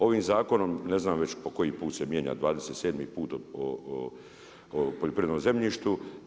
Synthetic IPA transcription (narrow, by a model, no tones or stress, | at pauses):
o̞ʋiːmzaːko̞no̞mne̞znaːmʋe̞t͡ɕpo̞ko̞jipuːt̪semje̞ːɲa̰d̪ʋaːd̪ese̞t̪se̞d̪mipuːt̪oo | poʎopɾiʋed̪nomze̞mʎiːʃt̪u